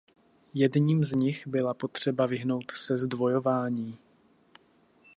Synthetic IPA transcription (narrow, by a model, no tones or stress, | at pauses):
jɛdɲiːmzɲɪxbɪlapo̞t̪r̝̥ɛbavɪɦno̞wt̪sɛzdvo̞jo̞vaːɲiː